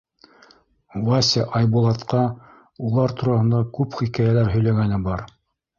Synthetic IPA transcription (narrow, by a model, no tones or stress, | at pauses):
wɑsʲɪʔɑjbulˠɑt̪qɑ | ulˠɑɾt̪uɾɑhɤ̆nd̪ɑkʉpχikæjælæɾɦɵ̆jlæɡænɘbɑɾ